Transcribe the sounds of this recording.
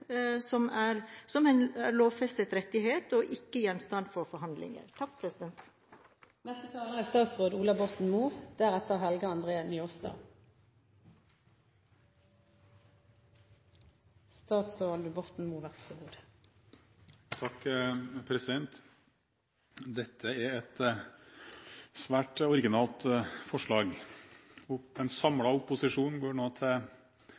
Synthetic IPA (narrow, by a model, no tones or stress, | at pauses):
sɔmæːɾsɔmæɪnæɾloːʋfɛst̪ət̪ɾɛt̪ːɪɦeːt̪ɔʔɪkːəjɛnst̪ɑnd̪fɔɾfɔɾɦɑnd̪lɪ̰ŋə̰ɾt̪ʰɑk̚ːpʰɾɛsɪd̪ɛnt̪ | mɛst̪ət̪ʰɑːləʁæst̪ɑːt̪sʁoːd̪uːlɑbɔt̪n̩muːʁd̪̥æːɾɛt̪ːəʁɦɛlɡəɑnd̪ʁeːnʏɔst̪ɑ̰ | st̪ɑːt̪sʁəʋɑːld̪əbɔt̪n̩muːʋæʁsəuːd̪ə | t̪ʰɑkpʰɾɛsɪd̪ɛnt̪ | d̪ɛt̪ʰːəæɾɛt̪ | sʋæːʈɔɾɪɡɪnɑːlt̪fɔʂɭɑːɡ | ɔɛnsɑmɽɑʊpʊsɪʂuːnɡoːɳoːt̪ʰɪ